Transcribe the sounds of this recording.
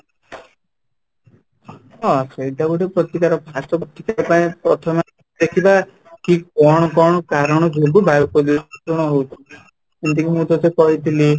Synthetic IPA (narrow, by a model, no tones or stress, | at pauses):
ɔseid̪aɡuʈepɾɔt̪ikaɾɔpʰasɔpɔt̪ikaɾɔpaĩpɾɔt̪ʰɔma | d̪ekʰiba | kikɔɽ̃ɔkɔɽ̃ɔkaɾɔɽ̃ɔd͡ʒoɡubʱabɔkɔd̪isɔpuɾɽ̃ɔɦowt̪ʰini | ent̪ikimũt̪ɔt̪ekɔɦit̪ʰili